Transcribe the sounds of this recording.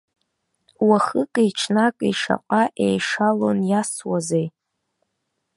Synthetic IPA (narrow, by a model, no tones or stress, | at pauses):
waχɨkʼejʈ͡ʂʰnakʼiʂa̰qʼaʔḛjʂalonjaswazej